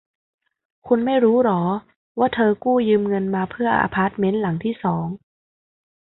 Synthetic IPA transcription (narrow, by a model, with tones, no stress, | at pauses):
kʰu˧nma˥˩jɾuː˦˥ɾɔː˩˦ | waː˥˩t̪ʰɤː˧kuː˥˩jɯː˧mŋɤ˧nmaː˧pʰɯ˥˩ɐʔa̰ː˧pʰaː˦˥˩t̪̚me˦˥nla˩˦ŋt̪ʰiː˥˩sɔː˩˦ŋ